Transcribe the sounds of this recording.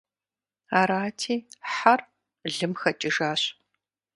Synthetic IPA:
aːɾaːtʰiːħar | ɮɨmxɐt͡ʃʼɪʒaːɕ

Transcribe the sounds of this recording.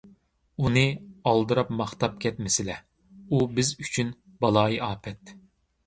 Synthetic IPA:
unɨɑlˠd̪ɨɾɑpmɑχt̪ɑp̚kʲʰɛt̪mɪsɪlɛ | ubɪzyt͡ʃʰyn | bɑlˠɑːjiɑːpʰɛt̪

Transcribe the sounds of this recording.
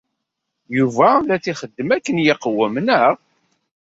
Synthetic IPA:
juvælæt͡siχəd̪ːəmækːənjɪqəwːəmənəɾ

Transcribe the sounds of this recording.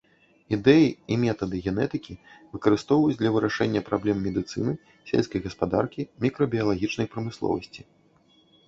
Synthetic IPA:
id̪ɛjiimʲɛt̪ɐd̪ɨɣʲɛnɛt̪ɨkʲivɨkɐɾɨst̪ɔwvɐjut͡sʲd̪lʲɐvɨɾaʂɛnʲːɐpɾablʲɛmːʲɛd̪ɨt̪sɨ̰nɨ | sʲḛlʲskɐjɣɐspad̪a̰rkʲimʲikɾɔbʲiɐlˠaɣʲit͡ʂnɐjpɾɐmɨslˠɔ̰vɐ̰sʲt͡sʲi̥

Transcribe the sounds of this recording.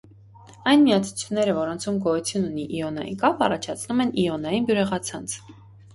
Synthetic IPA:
ɑjnmiɑt͡sʰu̥t͡sʰjunːɛɾəvɔɾɔnt͡sʰumɡɔjut͡sʰjununiʔiɔnɑ̰jḭnkɑpɑrɑt͡ʃʰɑt͡sʰnumɛniɔnɑjinbjuɾɛʁɑt͡sʰɑnt͡sʰ

